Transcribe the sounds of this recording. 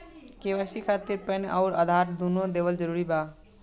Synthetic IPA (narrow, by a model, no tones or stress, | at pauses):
kebasikʰat̪iɾpənʔaʊɾəd̪ʱaɾd̪unod̪ebəld͡ʒəɾuɾiba